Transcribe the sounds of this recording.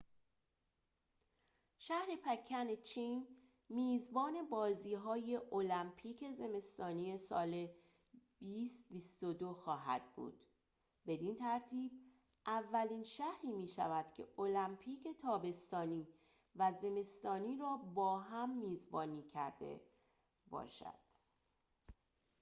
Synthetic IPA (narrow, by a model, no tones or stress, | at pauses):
ʃæhɾe̞pʰæcʰːænet͡ʃʰiːn | miːzbɒːne̞bɒːziːɦɒːje̞ʔolæmpʰiːcʰe̞ze̞me̞st̪ɒːniːe̞sɒ̰ːle | biːst̪bist̪od̪o̞xɒːɦæ̰d̪̥̚bṵːd̪̥ | be̞d̪int̪ʰæɾt̪ʰiːb̚ | ʔævːæliːnʃæhɾiːmiːʃævæd̪̥cʲʰe̞̰olæmpʰiːcʰe̞t̪ʰɒːbe̞st̪ɒːniː | væze̞me̞st̪ɒːniːɾɒːbɒːɦæmːiːzbɒːniːcʰæ̰ɾd̪̥e̞̰ | bɒ̰ːʃæ̰d̪̥